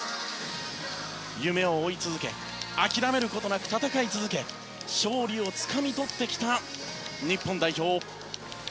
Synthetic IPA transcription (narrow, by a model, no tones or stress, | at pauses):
jɯ̟me̞oːit͡sɨzɨke̞̰ | akʲiɾame̞ɾɯ̟ko̞t̪o̞nakɯ̟t̪at̪akait͡sɨzɨke̞ | ɕo̞ːɾʲio̞t͡sɨ̥kamʲit̪o̞t̪ːe̞kʲi̥t̪aɲipːõ̞nd̪aiço̞ː